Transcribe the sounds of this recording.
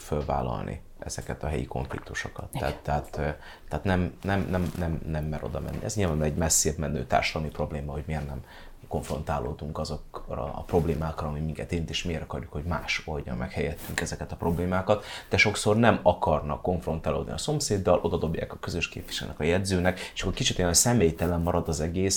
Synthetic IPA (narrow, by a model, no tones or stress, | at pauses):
følva̰ːlɒ̰lnʔḭ | ʔɛz̥ɛkɛt̪ɒɦɛjḭko̞̰ɱflḭk̚t̪uʃo̞kɒt̪ːa̰ːt̪ːɛɦat̪ː | ɛaːt̪nɛmnɛmnɛmnɛmnɛmːɛɾo̞̰d̪ɒmɛ̰nːḭɛ̰zɲilvaːbnɛɟmɛsːeːbmɛnːøːt̪a̰ːrʃɒd̪ɒmipro̞bleːmɒɦo̞ɟmeːrnɛm | ko̞ɱfro̞nt̪aːloːd̪uŋkɒzokrɒ̰pro̞bleːmaːkrɒɒmimiŋkɛt̪eːnt̪eːʃmeːɾɒkɒrjukho̞ɟmaːʃo̞lɟɒ̰mmɛkhɛjɛt̪ːyŋkɛzɛkɛt̪ɒpro̞bleːmaːkɒt̪d̪ɛʃo̞kso̞rnɛmɒkɒrnɒ̰kːo̞ɱfro̞nt̪aːlo̰ːd̪nḭɒso̞mseːd̪ːɒlʔo̞d̪ɒd̪o̞bja̰ːkɒkøzøʃkḛːpʋiʃɛl̰nɛ̰kɒjɛd̪zøːnɛke̥ʃɒ̥kːorkit͡ʃit̪ojɛnsɛmeːjt̪ɛlɛmːɒɾɒd̪ɒzɛɡeːs